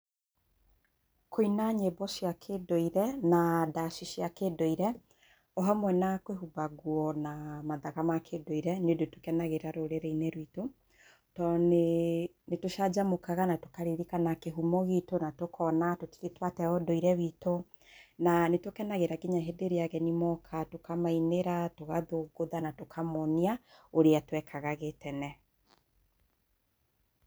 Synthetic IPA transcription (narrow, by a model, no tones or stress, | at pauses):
kʰoinaɲebɔʃjakʰedoiɾɛnadaʃiʃjakedoiɾɛ | ɔɦamwɛnakweɦubaɣwɔnamaðaɣamakʰedoiɾɛnodotokɛnaɣeɾaɾoɾeɾeineɾwito | tɔne | netoʃad͡ʒamokaɣanatokaɾiɾikanakeɦumɔɣitonatokʰɔnatoti̥ɾetwatɛɔdɔiɾɛβito | nanetokɛnaɣeɾaɡiɲaɦedeɾeaɣɛnimɔkʰatokamaineɾatoɣaðoɡoðanatokʰamɔniaoɾeatwɛkʰaɣaɣetɛnɛ